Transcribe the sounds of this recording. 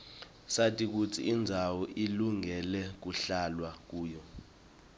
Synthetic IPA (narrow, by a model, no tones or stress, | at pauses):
satʼik̬ut͡sʰḭːnd͡zʱawɔʔiluŋɛlɛk̬uɬalwak̬uːjɔ